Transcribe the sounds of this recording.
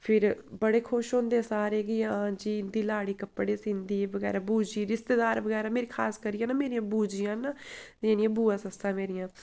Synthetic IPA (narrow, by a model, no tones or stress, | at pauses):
pʰɪɾbəɽeːkʰʊʃɦõːnd̪esaːɾeːɡiããd͡ʒiːɪnd̪iːlaːɽiːkəpːɽeːsĩːnd̪iːʋəɡɛ̰ːɾaːbuːd͡ʒiːɾɪst̪eːd̪aːɾʋəɡɛːɾaːmeːɾiːkʰaːskəɾijãːnaːmeːɾijãːbuːd͡ʒijãːnaːẽːnĩjãːbuːãːsəsãːmeːɾijãː